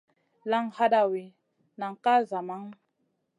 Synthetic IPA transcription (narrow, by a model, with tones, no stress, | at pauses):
la˦ŋha˦ɗa˨wi˨ | na˨ŋ˨ka˦za˨ma˦ŋ